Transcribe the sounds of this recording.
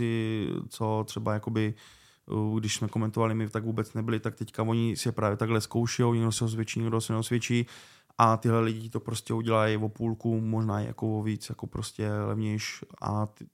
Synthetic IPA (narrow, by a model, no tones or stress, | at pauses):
ɪt͡so̞t̪r̥ɛbajako̞bɪ | ɡdɪʃsmɛkomɛnt̪ovalɪmɪt̪aɡvuːbɛt͡snɛbɪlɪt̪akt̪ɛckavo̞ɲɪsɪjɛpɾaːvjɛt̪aɡɦlɛsko̞wʃɛjowɲɛɡdosɛos̬ʋjɛt͡ʃiːɲɛɡdosɛnɛosʋjɛt͡ʃiː | ʔat̪ɪɦlɛlɪɟɪt̪o̞pɾoscɛuɟɛlajvopuːlkumoʒnaːjɛ̰ja̰kovoviːt͡sjakopɾoscɛlɛ̰vɲɛjʃʔa̰